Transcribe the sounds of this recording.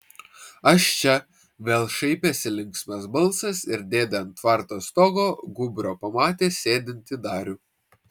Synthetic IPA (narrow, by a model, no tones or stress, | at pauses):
ɐʃt͡ʃʲɛ | ʋʲeːlˠʃɐɪpʲesʲɪlʲɪ̃ŋksʲmʲɛsbɐlˠsɐsɪɾd̪ʲeːd̪ʲɛɐnt̪ʋɑˑɾt̪oːst̪oːɡoːɡʊbʲɾʲoːpɐmɑːt̪ʲeːsʲeːd̪ʲɪnʲt̪ʲɪd̪ɑːɾʲʊ